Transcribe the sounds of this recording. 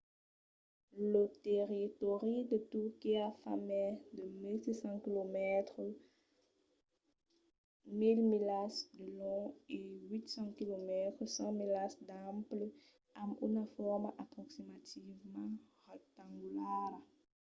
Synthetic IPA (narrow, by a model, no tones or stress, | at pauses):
lət̪eʁit̪oʁid̪ət̪ukiafa̰mɛd̪əmilsisɑ̃kilomɛt̪χə | milmilasd̪əlɔ̃ewit̪sɑ̃kilomɛt̪χəsɑ̃milasd̪ãmplə | ãmṵnafɔʁmaʔapχɔksimat̪ʰivmɑ̃ʁɛk̚t̪ãŋɡulaːɾ